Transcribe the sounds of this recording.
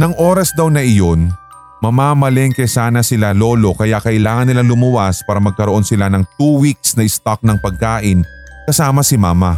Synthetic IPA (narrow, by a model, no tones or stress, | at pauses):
nɐŋʔo̞ːɾɐsd̪ɐwnɐʔɪjo̞n | mɐmaːmɐlɛŋkɐjsaːnɐsɪlalo̞ːlo̞kɐjaʔkɐʔɪlaːŋɐnːɪlaŋlʊmʊwaspaːɾɐmɐɡ̚kɐɾoʔo̞nsɪlanɐŋt̪uwik̚snɐʔɪst̪ak̚nɐŋpɐɡ̚kaːʔɪnkɐsaːmɐsɪmaːmɐ